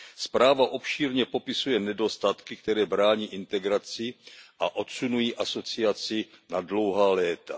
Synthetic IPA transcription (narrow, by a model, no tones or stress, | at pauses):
spɾaːvaʔo̞pʃiːɾɲɛpo̞pɪsujɛnɛdo̞st̪at̪kɪkt̪ɛɾɛːbɾaːɲiːʔɪnt̪ɛɡɾat͡sɪʔaʔo̞t̪sunujiːʔaso̞t͡sɪat͡sɪnadlo̞wɦaːlɛːt̪a